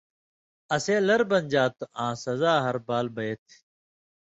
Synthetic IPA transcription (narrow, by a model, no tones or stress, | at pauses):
ɐseːlɐɾbɐnʲd͡ʑaːt̪uʔãːsɐzaːɦɐɾbaːlbɐet̪ʰ